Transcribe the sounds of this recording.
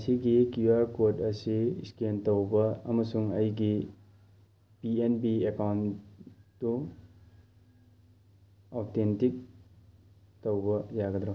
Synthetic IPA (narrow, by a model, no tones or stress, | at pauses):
siɡikjuaɾkotɐsḭskentowbɐɐmɐsuŋɐjɡi | pienbiekawn | tːu | awtentik̚ | towbɐjaɡɐd̪ɾo